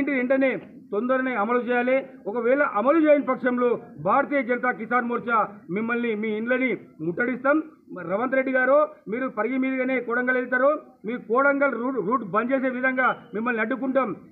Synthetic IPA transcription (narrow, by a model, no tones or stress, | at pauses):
ɳʈiɾeɳɖɐneː | t̪ond̪ɐɾɐneːɐmɐlut͡ʃɛːjaːleɔkɐʋɛːɭɐʔɐmɐlut͡ʃeːjɐnpɐkʂɐmlubʱaːɾɐt̪iːjɐd͡ʒɐnɐt̪̬aːkisaːɾmoːɾt͡ʃaːmimːɐlnimiːɳlɐnimuʈːɐɽist̪aːm | ɾɐʋɐnt̪ɾeɖːiɡaːɾoːmiːɾupɐɾɡimiːd̪ɐɡaːne̞ːkɔːɽɐŋɡɐlelit̪̬aːɾoː | miːɾukɔːɽɐŋɡɐluɾuːʈbɐɲd͡ʒeːse̞ːʋid̪ʱɐŋɡaːmimːɐlniɐɖːuk̬uɳʈaːm